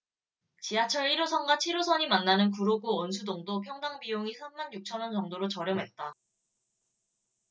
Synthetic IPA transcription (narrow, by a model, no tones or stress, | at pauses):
t͡ɕiat͡ɕʰʌɭiɾosʰʌnɡwat͡ɕʰiɾosʰʌɲimanːanɯnk̬uɾoɡuʌns̬ʰudoŋdopʰjʌŋdaŋbijoŋisʰamːanjuk̚t͡ɕʰʌnʌnt͡ɕʌŋdoɾot͡ɕʌɾjʌŋɦe̞t̚t͈a